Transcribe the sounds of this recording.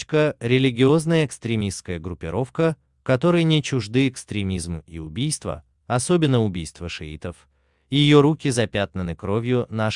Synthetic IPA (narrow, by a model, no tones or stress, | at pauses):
kəɾʲɪlʲɪɡʲɪo̞znəjəɪkst̪ɾʲɪmʲist̪kəjəɡɾʊpʲːɪ̰ɾʔo̞fkə | kɐt̪o̞ɾəjnʲɪt͡ɕʊʐd̪ɨɪkst̪ɾʲɪmʲizmḭʊbʲijst̪və̰ | ɐsobʲɪnːəʊbʲijst̪vəʂɨ̰ḭt̪əf | jɪjo̞ɾukʲɪzɐpʲat̪nənɨkɾo̞vʲjʊna